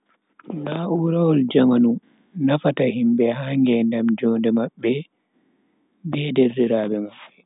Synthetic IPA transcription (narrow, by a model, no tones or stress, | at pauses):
naʔuɾawɔld͡ʒamanu | nafatahimbɛhaŋɡɛndamd͡ʒɔːndɛmaɓːɛ | bɛderːiɾaːbɛmaɓːɛ